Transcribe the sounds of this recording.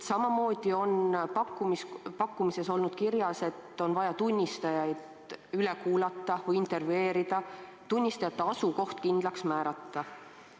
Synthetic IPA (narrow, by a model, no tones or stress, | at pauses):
sɑmɑmo̞ːd̪̥io̞npɑkːumispɑkːumise̞so̞lnud̪̥kirjɑse̞t̪ːˑo̞nvɑjɑt̪unʲːist̪ɑjɑjd̪ | yle̞kuːlɑt̪ːɑvɯjint̪ːe̞rve̞ːɾid̪̥ɑ | t̪unʲːist̪ɑjɑt̪ːeɑsuko̞ht̪kind̪̥lɑksmæːɾɑt̪ːɑ